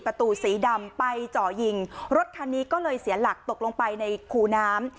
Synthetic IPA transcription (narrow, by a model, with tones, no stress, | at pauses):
pɾa˧t̪uː˨˧˩siː˩˦da˧mpa˧jt͡ɕɔː˨˩ji˧˩ŋɾo˦˥t̪̚kʰaː˧nːiː˦˥kɔː˥˩lɤː˧jsi˩˦ɐla˨˩k̚t̪o˨˩k̚lo˧ŋpa˧jna˧jkʰuː˧naː˦˥m